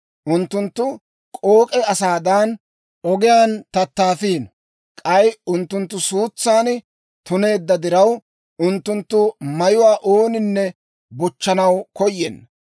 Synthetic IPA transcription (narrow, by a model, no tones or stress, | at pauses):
ʔʊnt̪ːʊnt̪ːʊ | kʼoːkʼɛɐsaːd̪ɐn | ɔɡɪjaːnt̪ɐt̪ːaːfiːn | kʼɐjʊnt̪ːʊnt̪ːʊsuːt͡sːaːn | t̪ʊne̞ːd̪ːɐd̪ɪɾɐw | ʔʊnt̪ːʊnt̪ːʊmɐjʊwaːʔoːnɪnːɛ | bʊt͡ʃːɐnɐwkɔjːɛ̰nː